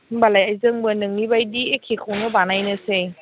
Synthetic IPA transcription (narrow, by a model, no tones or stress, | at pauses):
balajajzɯŋbɯnɯŋnibajdiekʰikʰawnɯbanajnɯse